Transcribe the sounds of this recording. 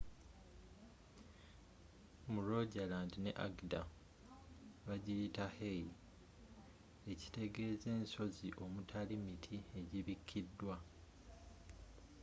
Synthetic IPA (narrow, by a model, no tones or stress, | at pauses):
muɾo̞ɟalaːndine̞̰ʔa̰ɡda | βaɟijitahei | e̞ci̥te̞ɡe̞ːze̞ːnso̞ziʔo̞mutʰalimitʰie̞ɟiβikʰːidːwa